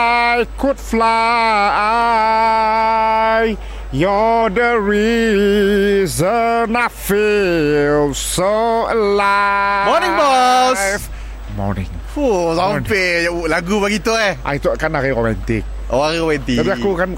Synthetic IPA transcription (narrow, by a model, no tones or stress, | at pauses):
ajkut̚flaa | j | jɔdəɹi | zənafi | lsoəlamɔnĩŋbɔs | mɔ̰nɪ̰̃ŋ | fusapelaɡubaɡit̪oeʔa̰it̪ukanaɣiɾomɛ̃nt̪ik̚ | ʔoaɣiomɛ̃nt̪iabiakukan